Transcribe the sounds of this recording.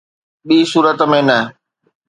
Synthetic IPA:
ɓiːsuːɾət̪mẽnɐɦ

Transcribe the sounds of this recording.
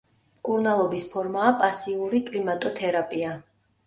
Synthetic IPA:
mkʼuɾnalˠɔbispʰɔɾmaːpʼasiuɾikʼlimat̪ʼɔt̪ʰɛɾapʼia

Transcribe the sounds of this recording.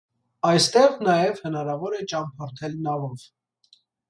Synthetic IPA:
ɑjst̪ɛʁnɑjɛvhənɑɾɑvɔɾɛt͡ʃɑmpʰɑɾt̪ʰɛlnɑvɔv

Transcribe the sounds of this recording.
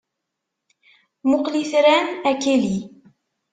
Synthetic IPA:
mʊqliθɾænækeli

